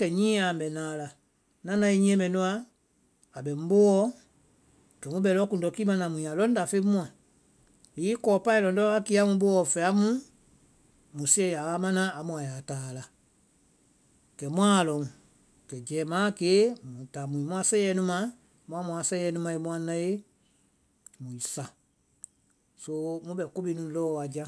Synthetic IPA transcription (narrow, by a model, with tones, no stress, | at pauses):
kɛ˨ɲĩː˦a˨m̩˨bɛ˨nãː˨la˨ | nã˦nã˧i˦ɲĩ˦ɛ̃˦mɛ̃˨nũ˦a˦ | a˨ɓɛ˨m̩˦bo˦wɔ˦ | kɛ˨mũ˦ɓɛ˨˦lɔ˦kũ˨n˨dɔ˨ki˦mã˦nã˨mũ˨a˨lɔ̃˦n˦da˨fe˦mũ˦ã˨ | i˦kɔː˨˦pã˦ĩ˦lɔ̃˨ndɔ˦a˦ki˦a˦mũ˧ɓo˦ɔ˨fɛ˨a˦mũ˦ | mũ˨si˦ɛ˨ja˨ɣa˦mã˦nã˦a˨mũ˨a˨ja˨taː˨la˨ | kɛ˨mũ˦ã˦˨lɔ̃˨ŋ˨ | kɛ˨d͡ʒɛː˨˦mãː˦ke˦mũ˨ta˨mũ˨ĩ˨mũ˦ã˧sɛ̃˦ɛ˦nũ˦mã˧˦ | mũ˦ã˧mũ˨a˨sɛ˦ɛ˧˦nũ˦mã˧e˧˦mũ˦ã˦nã˧˦je˦ | mũ˨i˨sa˨ | so˧˦mũ˦bɛ˨ko˦bi˦nũ˨lɔː˦wa˨d͡ʒa˦